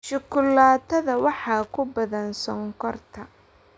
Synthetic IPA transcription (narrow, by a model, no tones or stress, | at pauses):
ʃʊkʰʊlaːt̪ʰːɐðɐwɑħɑːkʰʊbɐðɐnsɔŋkʰɔrt̪ʰɐ